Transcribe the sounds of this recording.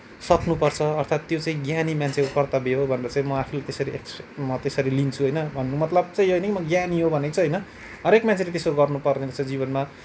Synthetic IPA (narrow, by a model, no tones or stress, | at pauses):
sʌknupʌrt͡sʰʌːrt̪ʰat̪ːjot͡saĩɡjanimant͡sʰekokʌrt̪ʌbeɦobʱʌneɾʌt͡saĩmʌapʰulat̪esʌɾieksemʌt̪esʌɾilint͡sʰuɦʌjnʌbʱʌnːumʌt̪lʌb̚t͡saj̃oɦʌjnʌkimʌɡjaniɦobʱʌnekt͡sʰʌɦʌjnʌ | ɦʌɾekmant͡sʰelet̪esoɾuɡʌrnupʌrnedʌsad͡ziβʌnma